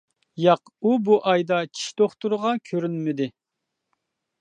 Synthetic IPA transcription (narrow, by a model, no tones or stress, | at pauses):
jɑqubuʔɑjd̪ɑt͡ʃʰi̥ʃd̪̥oχt̪uɾʁɑkʲʰøɾynmɪd̪ɪ